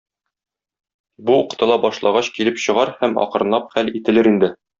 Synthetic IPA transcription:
buuqt̪ɤ̆lˠɑbɒʃlˠɑʁɑɕkilɘpɕɤ̆ʁɑɾhæmɒ̰qɤ̆ɾɤ̆nˠɑp̚χælit̪ɘ̆lɘɾind̪ɘ

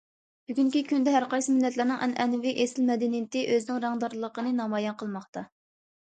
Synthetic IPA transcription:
b̥yɡʲyŋkʲikʲynd̪ɛɦæɾqɑjsɨmɪlːɛt̪lɪɾnɪŋʔɛnɛnviʔesɪlmɛd̪ɛnijɪt̪ɪʔøzɪnɪŋɾɑŋd̪ɑɾlˠːəqənɨnɑmɑjɛnqʰəlˠmɑχt̪ɑ

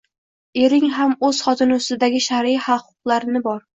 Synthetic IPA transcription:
eɾɪŋɦamɵz̥χɒt̪ʰɪnɪʊst̪ɪd̪aɡʲɪʃaɾihaqʰʊ̥qlˠaɾɪnɪbɒɾ

